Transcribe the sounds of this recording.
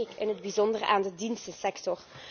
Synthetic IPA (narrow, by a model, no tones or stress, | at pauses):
ɪkɪnɦədbizɔndərəʔaːndədinstəsɛktɔr